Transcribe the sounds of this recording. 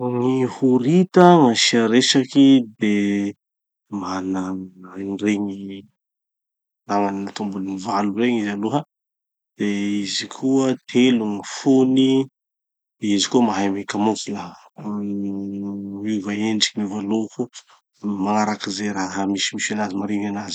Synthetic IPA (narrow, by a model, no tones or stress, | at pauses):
ŋihuɾit̪əmaʃiaɾeʃakid̪e | manaanireɲi | naŋaniat̪umbunnivalureɲizaluɦə | d̪̥eizikʰuət̪ʰeluŋifoni | d̪̥eizikuəmaɦamekamukula | ivaeɳɖ͡ʐi̥kimivaloku | maŋaɾakizeɾaɦamisimisanazimaɾeŋanazi̥